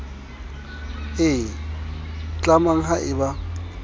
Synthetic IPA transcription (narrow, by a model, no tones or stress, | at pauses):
ɪ | t͡ɬʼamaŋ̩ɦaʔɪba